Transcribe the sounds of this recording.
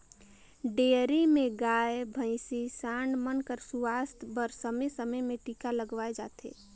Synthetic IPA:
ɖeːɾimẽɡaːebʱə̃ɪsisãːɳɖmənkəɾsuʋaːst̪ʰbəɾsəmesəməjmẽʈiːkaləɡʋaːed͡ʒaːt̪ʰḛː

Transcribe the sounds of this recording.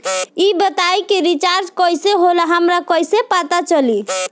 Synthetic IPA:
ibət̪ajkeɾit͡ʃaɾd͡ʒkəjseɦolaɦəmɾakəjsepat̪at͡ʃəli

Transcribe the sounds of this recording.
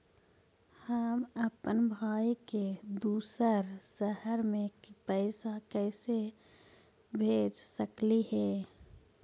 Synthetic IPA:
həməpənbʱaːiked̪uːsəɾsəhəɾmẽpɛːɪsakɛːse | bʱeːd͡ʒsəklihɛː

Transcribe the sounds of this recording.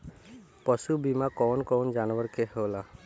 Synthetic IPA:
pɔsubimakɔnkɔːnd͡ʒanʋəɾkeɦola

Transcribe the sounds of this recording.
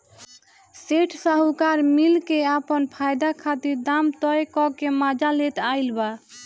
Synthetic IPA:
seʈʰsaɦukaɾmilkeapənpʰajd̪akʰat̪iɾd̪amt̪ɔekɔkemad͡ʒalet̪ajlba

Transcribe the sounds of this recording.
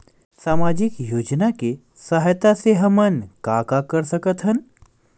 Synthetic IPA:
saːmad͡ʑikjoːd͡ʒnake | səɦjt̪aseɦəmənkakakəɾsəkət̪ʰɦən

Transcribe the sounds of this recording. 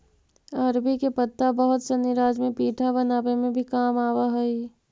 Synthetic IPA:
əɾbikepət̪ːabəɦʊt̪senɪɾaːd͡ʒmẽpiːʈʰabɐnaːʋemẽbʱikaːmaːwaɦɛi

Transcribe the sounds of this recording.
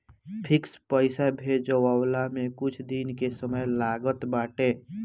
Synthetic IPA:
pʰɪkspəɪsabʱed͡ʒəwawlamẽkʊt͡ʃʰd̪inkesəməjlaːɡət̪baːʈe

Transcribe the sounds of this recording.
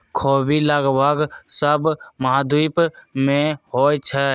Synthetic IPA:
kʰoːbilaːɡbaɡsəbməɦad̪uːpmẽhoːjt͡ʃʰə

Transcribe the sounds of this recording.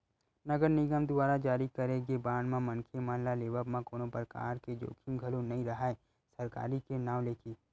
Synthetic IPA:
nɐɡəɾnɪɡəmd̪ʊaːɾad͡ʒaːɾikɐɾeɡebaːnmãmɐ̃nkʰemaːnlaleːʋəbmãkoːnopɾəka̰ːɾked͡ʒo̰ːkʰɪmɡʱɐlõnɐĩɾɐɦae | sɐɾka̰ːɾikenãːwleːkiː

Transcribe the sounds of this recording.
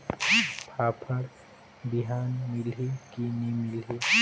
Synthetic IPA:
pʰaːpʰəɽ | biɦaːnmɪlɦikinimɪlɦi

